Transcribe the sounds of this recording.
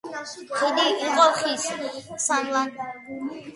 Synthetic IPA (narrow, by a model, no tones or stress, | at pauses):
χid̪iiqʼɔχissanlan